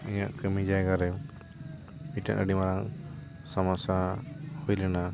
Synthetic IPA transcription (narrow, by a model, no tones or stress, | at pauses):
iɲa̰ʔkəmid͡ʒajɡaɾɛ | miʈa̰ʔə̰ɖimaɾaŋ | samasahujlɛna